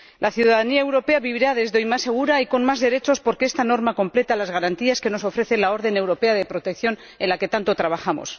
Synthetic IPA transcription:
lʔaθjuðaðaniae̞wɾo̞pe̞aβiβiɾaðe̞zðeojmasːe̞ɣ̞uɾaiko̞nmazðe̞ɾe̞t͡ʃo̞spo̞ɾkeest̪ano̞ɾmako̞mple̞t̪alazɣaɾant̪iaske̞no̞so̞fɾe̞θe̞nlao̞ɾðe̞ne̞wɾo̞pe̞aðe̞pɾo̞t̪ekθjo̞n | ẽnlake̞t̪ant̪o̞t̪ɾaβ̞axamo̰s

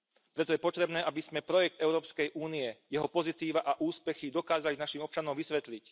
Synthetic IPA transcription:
pɾɛt̪ɔjɛpɔt̪ɾɛbnɛːʔabizmɛpɾɔjɛk̚t̪ɛʊɾɔːpskɛjʔuːniɛjɛɦɔpɔzit̪iːʋaʔaʔuːspɛxid̪ɔkaːzalinaʃimɔp̚t͡ʃanɔmʋisʋɛt̪lic

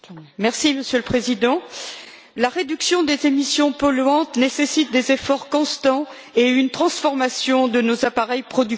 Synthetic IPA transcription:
mɛʁsiməsjøləpχezid̪ɑ̃ | laʁed̪yksjɔ̃d̪ezemisjɔ̃pɔlɥɑ̃t̪nesesit̪̚d̪ezefɔʁkɔ̃st̪ɑ̃ | eynt̪χɑ̃sfɔʁmasjɔ̃d̪ənozapaʁɛjpχɔd̪y

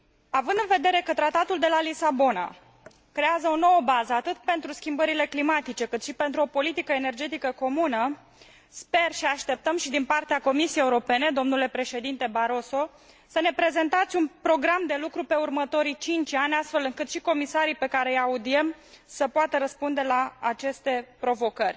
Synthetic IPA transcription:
avɨnd̪ɨnve̞d̪e̞ɾe̞kət̪ɾat̪at̪uld̪e̞lalisabo̞na̰ | kɾe̞azəo̞no̞wəbazəat̪ɨt̪̚pe̞nt̪ɾuskʲimbəɾile̞klimat̪it͡ʃe̞kɨt̪ʃipe̞nt̪ɾuo̞po̞lit̪ikəene̞rd͡ʒe̞t̪ikəko̞munə | spe̞rʃiaʃt̪e̞p̚t̪əmʃid̪inpart̪eako̞misijejeuɾo̞pe̞ne̞d̪o̞mnule̞pɾe̞ʃe̞d̪int̪e̞baɾo̞so̞ | səne̞pɾe̞ze̞nt̪at̪sʲunpɾo̞ɡɾamd̪e̞lukɾupe̞urmət̪o̞ɾit͡ʃint͡ʃʲanʲast̪fe̞lɨŋkɨt̪ʃiko̞misaɾipe̞kaɾejaud̪ie̞m | səpoat̪əɾəspund̪e̞laːt͡ʃe̞st̪e̞pɾo̞vo̞kərʲ

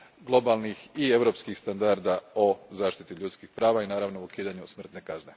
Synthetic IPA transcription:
ɡlˠo̞balˠnixie̞ʋɾo̞pskixst̪and̪aɾd̪ao̞zaːʃt̪it̪iʎuːt̪skixpɾaːʋainaːɾaʋnoukiːd̪aɲusmr̩t̪ne̞kazne̞

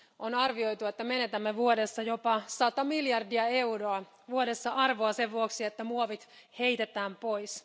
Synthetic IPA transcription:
onɑrʋio̞jt̪uet̪ːæme̞ne̞t̪æmːeʋuode̞sːɑjo̞pɑsɑt̪ɑmiljɑrdiɑe̞wɾoɑ | ʋuode̞sːɑʔɑrʋoɑse̞ʋʋuoksiet̪ːæmuoʋit̪he̞jt̪et̪æːmpo̞js

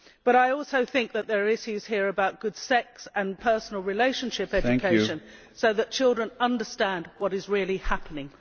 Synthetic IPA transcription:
b̥ʌɾaɪɔˑlˠsoʊθɪ̃ŋk̚ðɨt̪̚ðə˞ɪʃjʉz̥hiəɹɨbaʊt̚ɡ̥ʊd̥sɛksə̃npʰɜ˞sn̩l̩ˠɹɪleɪʃə̃n̩ʃɪpɛd͡ʒd͡ʒɨkʰeɪʃɨ̃n | soʊðɨt̚t͡ʃʰɪlˠdɹə̃nʌ̃ndəstæ̃n̚wʌɾɨzɹɪəlˠihæpənɪ̃ŋ

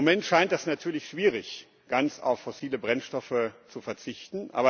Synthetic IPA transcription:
omɛntʃaɪntdɛsnatʰyːɐlɪçʃv̥iːʁ̞ɪç | ɡ̥ant͡sa̰ʊfːɔsiːləbʁɛnʃtɔfət͡sufɛɐt͡sɪçtn̩ʔa̰ːbɐ

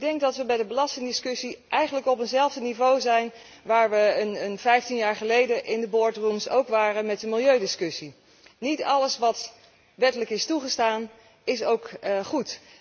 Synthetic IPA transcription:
ɪɡ̚dɛŋk̚dɑtʋəbɛjdəbəlɑstɪŋdɪskɵsiʔɛjχənləkɔpənzɛlˠvdənivowzɛjn | ʋaːɹʋəənənvɛjftinjaːɹχəlejdəʔɪndəbʊɹtrumsowkʋaːrənmɛt̚dəmɪlˠjøɥdɪskɵsi | nitɑləsʋɑt | ʋɛtələkɪstuχəstaːn | ɪsowkχut

